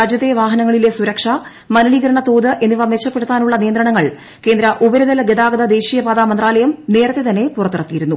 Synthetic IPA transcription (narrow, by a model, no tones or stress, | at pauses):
aːd͡ʑjɐðeʋaːɦɐnɐŋːɐɭilesuɾɐkʂɐ | mɐnɐɭiːɡɐɾɐɳɐt̪o̞ːðɨʔe̞nːɨʋɐmet͡ɕːɐpːe̞ɽut̪ːaːnuɭːɐnijɐnd̪ɾɐɳɐŋːɐɭ | ke̞ːnd̪ɾɐʔubɐɾuðɐlɐɡed̪aːɡɐd̪ɐd̪e̞ːɕijɐbaːd̪aːmɐnd̪raːlɐjɐmne̞ːɾɐt̪ːe̞t̪ɐnːe̞purɐt̪ːirɐt̪ːijiɾunːu